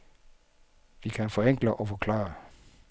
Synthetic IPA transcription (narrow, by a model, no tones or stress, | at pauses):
ʋikʰænfɒ̽eŋ̰ɡ̥ləʔɒ̽fɒkʰlɑ̰̈ːɐ